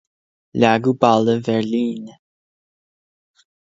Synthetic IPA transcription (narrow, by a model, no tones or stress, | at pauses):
laɡubaləvɛɹliːn